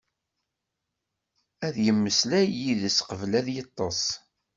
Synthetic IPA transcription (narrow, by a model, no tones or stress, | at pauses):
æðjəmːəslæjiðəsqəvlæðjɑt̪ˤːɑsˤ